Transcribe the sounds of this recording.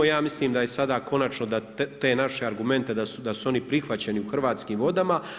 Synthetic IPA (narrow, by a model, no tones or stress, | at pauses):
jaːmisliːmd̪aje̞sad̪aːko̞nat͡ʃno̞d̪at̪e̞naʃe̞aɾɡume̞nt̪e̞d̪asud̪asuo̞nipɾixʋat͡ɕe̞niuxr̩ʋaːt̪skiːmʋo̞d̪ama